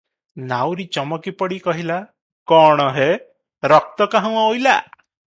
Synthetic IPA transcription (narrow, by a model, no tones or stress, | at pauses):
nawɾit͡ʃɔmɔkipɔɽikɔɦila | kɔɽ̃ɔɦe | ɾɔk̚t̪ɔkaɦãŋojla̰